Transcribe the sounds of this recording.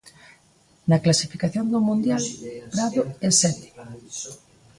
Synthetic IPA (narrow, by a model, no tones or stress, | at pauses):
nɐklasifikaθjond̪ʊmũnd̪jalpɾaðʊesɛt̪ɪ̥